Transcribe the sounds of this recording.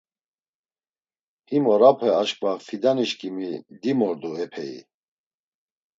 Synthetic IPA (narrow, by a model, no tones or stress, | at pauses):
himɔɾapʰɛaʃkvafid̪aniʃkʼimid̪imɔɾd̪uɛpʰɛḭ